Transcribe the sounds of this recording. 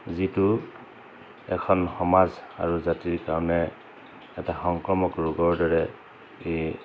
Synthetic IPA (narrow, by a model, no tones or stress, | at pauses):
zitu | ɛkʰɔnxɔmaza̰ɹuzatiɹkaɹɔnɛ | ɛtaxɔŋkɹɔmɔkɹuɡɔɹdɔɹɛ | e